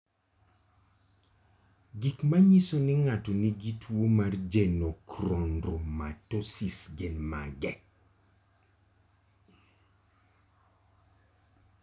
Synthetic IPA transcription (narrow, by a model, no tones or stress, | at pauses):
ɡikmaɲisonɪŋatɔniɡitwomard͡ʒenokɾondɾoma̰tosisɡenma̰ɡɛ